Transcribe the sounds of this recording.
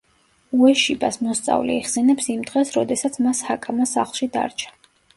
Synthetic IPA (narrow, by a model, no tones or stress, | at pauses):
uɛʃibasmɔst̪sʼa̰vlḭiʁsɛnɛpsimd̪ʁɛsɾɔd̪ɛsat̪sʰmashakʼamasa̰χlˠʃid̪a̰ɾt͡ʃʰḁ